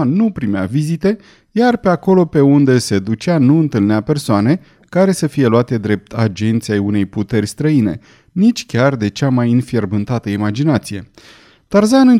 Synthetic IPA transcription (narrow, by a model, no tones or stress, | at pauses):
nupɾimea̰vizit̪e̞ | jarpe̞ako̞lo̞pe̞und̪e̞sed̪ut͡ʃanuɨnt̪ɨlneape̞rsoane̞ | kaɾe̞səfije̞luat̪e̞d̪ɾe̞p̚t̪ʰad͡ʒent̪siejune̞jput̪e̞rʲst̪ɾəine̞̰ | nit͡ʃʲkʲard̪e̞t͡ʃamajɨnfije̞rbɨnt̪at̪əimad͡ʒinat̪sije̞ | t̪arzanɨn